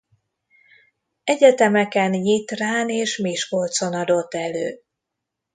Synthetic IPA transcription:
ɛɟɛt̪ɛmɛkɛnjit̪raːneːʃmeːʃko̞lt̪so̞nɒd̪o̞t̪ːɛløː

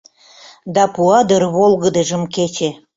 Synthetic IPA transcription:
d̪ɑpuɑd̪ərβolɣəd̪eʒəmket͡ɕe

